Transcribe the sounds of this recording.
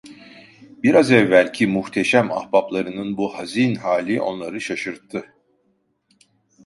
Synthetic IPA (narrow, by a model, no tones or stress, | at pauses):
b̥iɾazɛvːælʲcʰimuht̪ʰe̞ʃæma̰hbaplˠaɾɯnɯnbuhaziːnhaːlʲiʔo̞̰nlˠaɾɯʃaʃɯɾt̪ʰːɯ